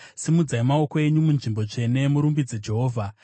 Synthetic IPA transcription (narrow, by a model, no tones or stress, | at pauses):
simud͡zaimao̞ko̞e̞ɲumunʐimbo̞ʐe̞ne̞muɾumbid͡zed͡ʒe̞ɦo̞ːvʱa